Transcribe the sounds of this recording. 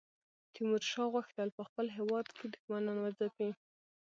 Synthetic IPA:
t̪ʰimuɾʃɑɣwaxt̪alpəxpəlɦewɑd̪kʰed̪ʊxmanɑnwazapi

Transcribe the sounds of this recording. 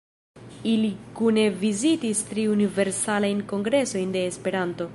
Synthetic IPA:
ilikune̞vizitistɾiunive̞ɾsalajnko̞ŋɡɾe̞so̞jnde̞ːspe̞ɾanto̞

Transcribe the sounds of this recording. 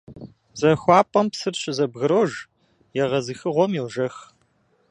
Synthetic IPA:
z̥ɐxʷɑːpʼɐmpsɨrɕɪzɐbɣɨɾoːʒ | jɛʁɐzɨxɨʁʷɔmiwʒɐx

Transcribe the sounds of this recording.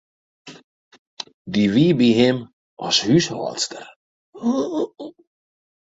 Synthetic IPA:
d̪iviːbiɦɪm | ɑ̰shyshɑ̰ːtstər

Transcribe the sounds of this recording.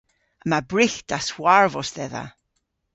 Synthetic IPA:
əmabɹɪxd̥aswaɹvɔsðɛða̰

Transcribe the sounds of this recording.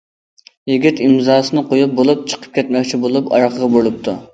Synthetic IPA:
jiɡʲit̪imzɑːsɨnɨqʰojup̚bolˠup̚t͡ʃʰə̥qʰə̥p̚kʲɛt̪mɛk̚ʲt͡ʃʰibolˠupɑ̰ɾqʰəʁɑbolˠup̚t̪ʰu

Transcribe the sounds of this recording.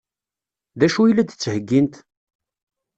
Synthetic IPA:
ðæʃuilːæd̪t͡sːhəɡːint̪

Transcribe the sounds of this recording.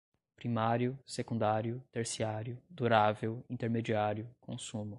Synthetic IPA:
pɾimaɾjʊsekũnd̪aɾjʊt̪eɾsiaɾjʊd̪uɾavewĩnt̪eɾmed͡ʒiaɾjʊkʰõsũmʊ

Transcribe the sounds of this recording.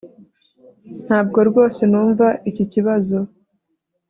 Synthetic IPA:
n̥haːb̚ɡo̞ɾɡo̞ːse̞nuːɱvaʔiciciβazo̞

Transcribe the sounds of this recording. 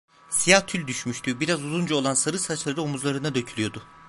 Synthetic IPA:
sijat̪ʰylʲd̪yʃmyʃt̪ʰybiɾazuzund͡ʒuolˠansaɾɯsat͡ʃlˠaɾɯomuzlˠaɾɯnad̪ø̞cʰylʲyjod̪ʊ

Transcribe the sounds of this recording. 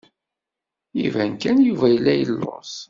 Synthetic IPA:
ivænkænjuvæjəlːæjəlːo̰s

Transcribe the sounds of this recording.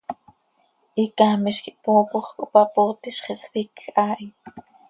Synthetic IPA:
ʔikamiʃkiʔpuːpoχkopapoːt̪iʃχeswikːʔaʔj

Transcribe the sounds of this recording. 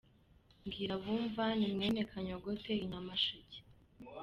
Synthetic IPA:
ŋɡiːɾaβuːɱvanimŋeːnekʰaɲoɡoteiɲamaʃice̥

